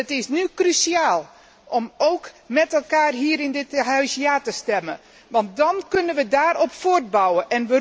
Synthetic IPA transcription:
ətɪsnykrysiaːlˠ | ʔɔmoːkmɛtɛlˠkaːrɦiːəɾɪndɪtɦœɥsjaːtəstɛmə̰ | ʋɑnt̚dɔnkønənʋədaːɾɔpfoːrd̚bawəʔɛnʋə

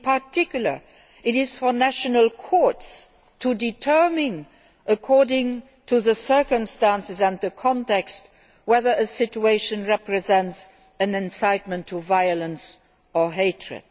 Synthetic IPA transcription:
pʰatʰɪkjl̩ə̰˞ | ɪɾɪz̥fɔnæʃənəlˠkʰɔɹts | tʰuditʰɜ˞mɪ̃n | ʔəkʰɔɹdɪ̃ŋ | tʰuðəsɜ˞kə̃mstæ̃nsɪzæ̃nðəkʰɔ̃ntɛkst | wɛðə˞əsɪt͡ʃueɪʃə̃nɹɛpɹɛzɛ̃nts | ɨ̃nɛ̃nsaɪt̚mə̃ntʰːuvaɪələ̃ns | ə˞ɦeɪtʰɹɨ̰d̥

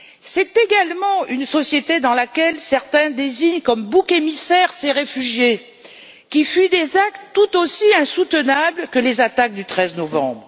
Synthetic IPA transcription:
sɛt̪eɡalmɑ̃ynsɔsjet̪ed̪ɑ̃lakʲɛlsɛʁt̪ɛ̃d̪eziɲkɔmbukemisɛʁseʁefyʒje | kʲifyd̪ezak̚t̪ːut̪osiɛ̃sut̪ənablkəlezat̪ak̚d̪yt̪χɛznɔvɑ̰̃bʁ

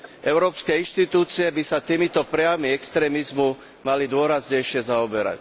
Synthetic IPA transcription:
ʔɛʊɾɔːpskɛinʃt̪it̪uːt͡siɛbisat̪iːmit̪ɔpɾɛamiɛkst̪ɾɛːmizmu | malid̪ʊɔɾazɲɛjʃɪɛzaɔbɛɾa̰c

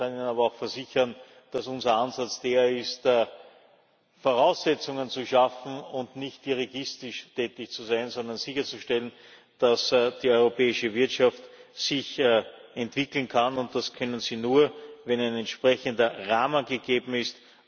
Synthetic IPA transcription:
aniːnənaːbɐɑʊxfɛɐzɪçɐn | d̥asʊnzɐanzat͡sd̥eːɐɪstː | foʁaʊsːɛt͡sʊŋənt͡suʃafn̩ʊndnɪçt̚diʁiɡɪstɪʃtʰɛːtɪçt͡suzæɪnzɔnd̪ɐnzɪçɐt͡suʃtɛlən | d̥asd̥iːɔʏʁopɛːɪʃəvɪɐtʃaftsɪçɛntv̥ɪkl̩n̩kʰanʊnt̚d̥askʰœnənz̥iːnuːɐvɛnæɪnɛntʃpʁɛçəndɐʁaːmənɡəɡ̥eːbm̩ɪst

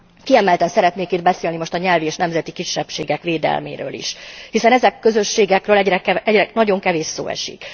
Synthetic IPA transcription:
kiɛmɛlt̪ɛnsɛɾɛt̪neːkid̪̚bɛseːlnimo̞ʃt̪ɒɲɛlvieːʃnɛmzɛt̪ikiʃːɛpʃḛːɡɛkʋeːd̪ɛ̰lmḛːɾø̰ːlḭʃhisɛnɛzɛkːø̞zø̞ʃːeːɡɛkrøːlɛɟɾɛkɛɛɟrɛnɒɟo̞ŋkɛveːʃso̰ːɛ̰ʃḭk

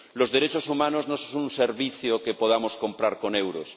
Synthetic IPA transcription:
lo̞zðeɾe̞t͡ʃosumãnoznossonunseɾβiθjoke̞po̞ð̞amo̞sko̞mpɾaɾko̞newɾos

